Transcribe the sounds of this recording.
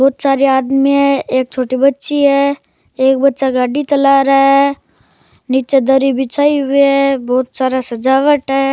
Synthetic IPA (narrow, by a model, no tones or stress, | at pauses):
bɔːt̪saːɾiaːd̪miɦɛeːk̚t͡ʃʰoːʈibɐtːʃiɦɛː | eːk̚bɐtːʃaɡaːɖit͡ʃɐlaɾəɦɛ | niːt͡ʃed̪əɾibʱɪt͡ʃaːiɦʊiɦɛbɔːt̪saːɾasɐd͡ʒaːʋəʈɦɛ